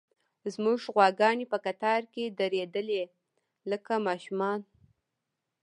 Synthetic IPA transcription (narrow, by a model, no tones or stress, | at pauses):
zmuʐɣwaɡɑnepəkat̪ɑɾked̪əɾed̪əle | ləkamɑʃumɑn